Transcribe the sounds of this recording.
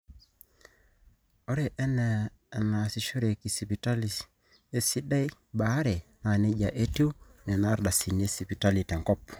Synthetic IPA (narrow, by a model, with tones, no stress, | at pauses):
o˦ɾe˨ʔɛ˦nɛ˨ | na˨si˦ʃo˦ɾe˨ki˨si˨pi˨ta˦li˨ | e˦si˦ɗa˦i˦ | ba˨˦ɾɛ˨na˨ne˦ɟa˨ʔe˦tu˦nɛ˨na˦ɾda˨si˨ne˦si˨pi˨ta˦li˨tɛ˨ŋkɔ˦pːɔ̥˨